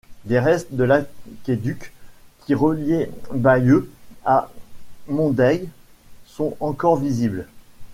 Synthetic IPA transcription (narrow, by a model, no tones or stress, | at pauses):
d̪eʁɛst̪d̪əlakʲed̪ykʰʲː | iʁəljebajøa | mɔ̃d̪ɛjsɔ̃ɑ̃kɔʁvizibl